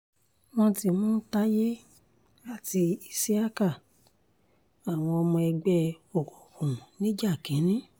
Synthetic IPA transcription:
w̃ɔ̃˧ti˧˨mɔ̃ː˦ta˦je˦ | a˦˨ti˧i˧se˦a˦ka˦˨ | a˨w̃ɔ̃˧ɔ˧mɔ̃˧ɛ˧ɡ͡bɛ˦ɔ˨kɔ˨kũ˨nĩ˦d͡ʒa˦˨kĩ˨˦nĩ˦

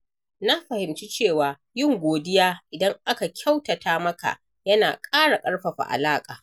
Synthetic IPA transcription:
na˦ɸɐ˨hɪ˨mt͡ʃi˦t͡ʃeː˦˨waː˨ | jɪ˦˨ŋɡʷoː˨dɪ˦jaː˦ʔɪ˨dɐ˦ŋʔa˦ka˨kʲʰa˦wtɐ˨taː˦mɐ˦ka̰˨ | jɐ˦na̰ː˨kʼaː˦ɽa˨kʼɐ˦ɽɸɐ˨ɸa̰˨ʔa̰˨laː˦kʼa̰ː˨

